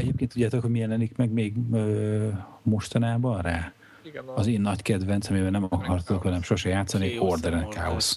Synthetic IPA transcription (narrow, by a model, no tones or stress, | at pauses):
ɛɟeːpkeːnt̪ːudɟːaːt̪o̞khoɟmijɛlɛnikmɛɡmeːɡøː | mo̞ʃt̪ɒnaːbɒnraː | ɒzeːnːɒckɛd̪vɛnt̪sɒmibɛlnɛmɒkɒrt̪okhɒnɛmʃoʃɛjaːt̪sːɒnihord̪ɛɾɛnkaːo̰s